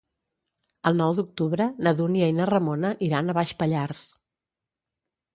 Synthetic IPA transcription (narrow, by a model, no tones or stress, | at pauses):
əlˠnɔwd̪uk̚t̪uβɾənəðuniejnərəmonəʔiɾanəβaʃpəʎars